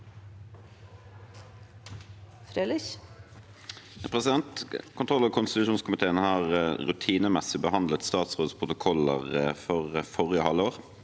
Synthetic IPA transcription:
fɾelɪç | pʰʁɛsɪd̪ɛnt̪kʰʊnt̪ʁɔlːɔkʰʊnst̪ɪt̪ʉʃuːnskʊmɪt̪ʰeːənhɑːʁʁʉt̪ʰiːnəmɛsɪbəhɑnd̪lət̪st̪ɑːt̪sʁoːd̪spʰʁʊt̪ʊkʰɔlə̰ʁfɔʁfɔʁɪəhɑlːəoːʁ

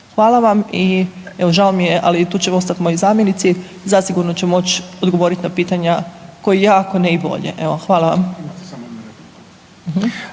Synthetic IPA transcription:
xʋaːlˠaʋamie̞ʋo̞ʒalomijeʔa̰lit̪uːt͡ɕeo̞st̪at̪mo̞jozaːmjenit̪sie | zasiɡuɾno̞t͡ɕemo̞t͡ɕod̪ɡoʋo̞ɾit̪napiːt̪aɲako̞jijaːko̞neibo̞̰ʎḛʔeʋoxʋaːlaʋa̰m | ɦm̩

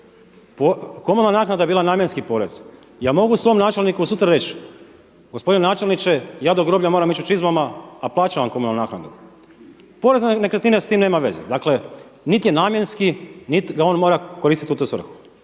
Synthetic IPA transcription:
pokomunanaːknad̪ajeiːlˠanaːmjenskipo̞ːɾe̞z | jaːmo̞ɡusʋo̞ːmnaːt͡ʃe̞lnikuusut̪ɾaɾe̞t͡ʃ | ɡospo̞d̪inenaːt͡ʃelnit͡ʃe̞jaːd̪oɡɾobʎamoːɾamit͡ʃut͡ʃizmamaaplaːt͡ʃaʋamkomunalnaːknad̪u | po̞ɾe̞znnekɾet̪inest̪iːmne̞ːmaʋe̞zḛd̪aːkle̞ | nit̪je̞naːmje̞nskinit̪ɡao̞ːnmo̞ɾakoɾist̪it̪iut̪uːsʋr̩xu̥

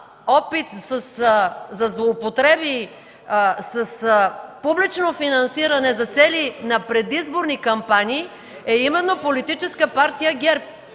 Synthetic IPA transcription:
ɔpit̪sɐszɐzlˠoːpot̪ɾɛbi | sɐspublit͡ʃnofinɐnsiɾɐnɛzɐt̪sɛlinɐpɾɛd̪izboɾnikɐmpaniː | ɛimɛnːopolit̪it͡ʃɛskəpaɾt̪ijəɡɛɾp̚

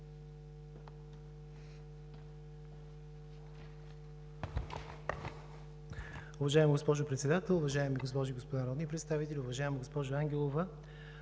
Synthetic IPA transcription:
ʊvɐʒaɛmɡospɔʒʊpɾɛt̪sɛd̪at̪ɛlˠʊvɐʒaɛmiɡospɔʒiɡospod̪anɐɾɔd̪nipɾɛt̪st̪avit̪ɛlʲiʊvɐʒaɛmɡospɔʒʊaŋɡʲɛlˠovə

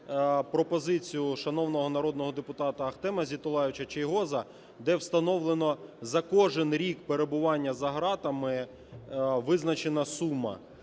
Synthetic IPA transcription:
pɾɔpɔzɪt͡sʲijʊʃɐnɔwnɔɦɔnɐɾɔd̪nɔɦɔd̪epʊt̪ɑt̪ɐɐxt̪ɛmɐzʲit̪ʊlˠɑjɪwt͡ʃɐt͡ʃejɦɔzɐ | d̪ɛwst̪ɐnɔwlˠenɔzɐkɔʒɪnɾʲikpeɾe̞bʊʋɑnʲːɐzɐɦɾɑt̪ɐmɪ | ʋɪznɐt͡ʃenɐsumːɐ̰

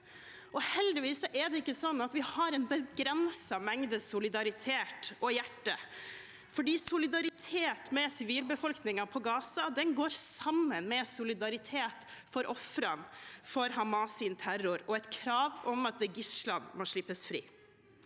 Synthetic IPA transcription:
ʔɔhɛld̪ɪʋiːsɔʔɛɖ̪ɛɪkːəsɔnːɑt̪ʋɪhɑɾɛnbəɡɾɛnsɑmɛŋd̪əsʊlɪd̪ɑɾɪt̪ʰeːt̪ɔjæʈːə | fɔɖiːsʊlɪd̪ɑɾɪt̪ʰeːt̪mɛsɪʋiːlbəfɔlknɪŋɑpʰɔɡɑːsɑd̪ɛnɡoːɾsɑmːənmɛsʊlɪd̪ɑɾɪt̪ʰeːt̪ | fɔɾʔɔfɾɑnfɔɾhɑmɑːsɪnt̪ʰæɾʊɾɔɛt̪kʰɾɑːʋɔmɑt̪̚d̪ɛɡɪslɑnmɔʂɭɪpːəsfɾḭː

